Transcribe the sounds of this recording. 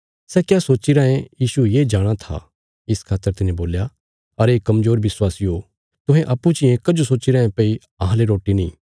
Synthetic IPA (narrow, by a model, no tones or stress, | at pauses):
sɛkjaːsoːt͡ʃiɾãːẽjiːsujeːd͡ʒaːɽ̃at̪ʰa̰ | ɪskʰaːt̪ːəɾt̪ɪnẽboːlja | ɐɾeːkɐmzoːɾʋɪswaːsio | t̪ʊɦẽʔɐpːut͡ʃiẽːkɐd͡ʒosoːt͡ʃiɾãːẽpei | ɐɦãleɾoːʈinĩː